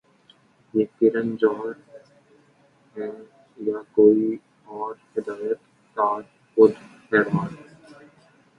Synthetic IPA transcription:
jeːkɪɾənd͡ʒɔːɾ | ɦɛː | jakoːi | ɔːɾhɪd̪aːjət̪ | kaːɾ | kʊd̪pɛːɾʋaːnɛ

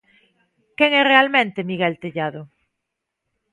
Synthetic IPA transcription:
keŋɛrealmẽnt̪emiɣɛlt̪eʎaðʊ

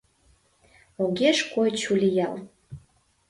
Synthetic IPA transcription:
oɣeʃkojt͡ɕulʲijɑl

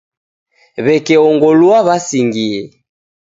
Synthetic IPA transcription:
βɛkɛɔŋɡɔlwaβasiŋɡiɛ

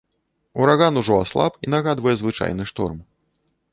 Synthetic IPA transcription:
uɾaɣanuʐɔaslˠa̰pinaɣad̪vɐjɛzvɨt͡ʂa̰jn̪ɨʂt̪ɔ̰rm

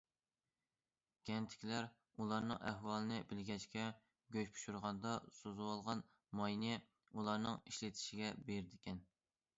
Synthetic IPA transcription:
ɡʲɛnt̪ʰɪ̥kʲʰlæɾ | ulˠɑɾnɨŋɛ̰ɦwɑlˠɨnɨbɪlɡʲɛt͡ʃkʲɛ | ɡʲøt͡ʃpʰu̥ʃuɾʁɑnd̪ɑsozuwɑlˠʁɑn | mɑjnɪ | ulˠɑɾnɨŋiʃlɪt̪ʰɪ̥ʃiɡʲɛbeɾɪd̪ɪkʲʰɛn

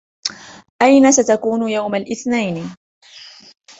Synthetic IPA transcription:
ʔajnasat̪akuːnʊjawmalʔɪθnajn

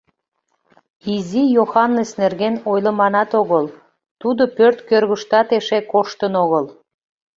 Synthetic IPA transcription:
izijoxɑnːesnerɣenojləmɑnɑt̪oɣəl | t̪ud̪o̽pørt̪kørɣəʃt̪ɑt̪eʃekoʃt̪ənoɣəl

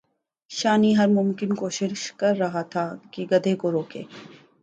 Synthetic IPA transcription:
ʃaːniɦɐɾmʊmkɪnkoːʃɪʃkɐɾːɐɦat̪ʰakiɡɐd̪ʱekoɾoːkḛː

